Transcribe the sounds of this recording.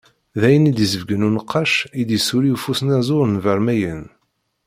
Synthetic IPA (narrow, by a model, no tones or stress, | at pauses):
ðæjənid̪jizəvɡənunəqʰːɑʃid̪jəsuɾiufusənæzʊɾənvæɾmæjən